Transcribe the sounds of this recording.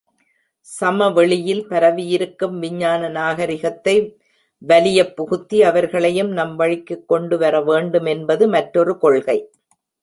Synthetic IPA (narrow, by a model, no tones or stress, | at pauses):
sɐmɐʋɛɭɪjɪlpɐɾɐʋɪjɪɾɯkːɯmʋɪɲːaːnɐnaːɣɐɾɪɣɐt̪ːɐɪ | ʋɐlɪjɐpːʊɣɯt̪ːiɐʋɐɾɣɐɭɐjɯmnɐmʋɐɻɪkːɯkːɔɳɖɯʋɐɾɐʋeːɳɖɯmɛnbɐðɯmɐʈɾɔɾɯkɔɭɣɐɪ